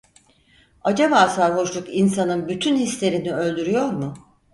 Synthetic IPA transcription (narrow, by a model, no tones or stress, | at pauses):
ad͡ʒaβaːsaɾɦo̞ʃlˠukinsanɯnbyt̪ʰynhislʲe̞ɾiniø̞lʲd̪yɾyjo̞ɾmʊ